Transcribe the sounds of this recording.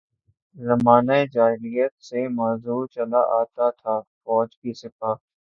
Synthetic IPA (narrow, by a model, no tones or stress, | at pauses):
zɐmaːnaed͡ʒaːɪɾijət̪semaːzuːt͡ʃɐlaʔaːt̪at̪ʰaːfɔːd͡ʒkisɪpaː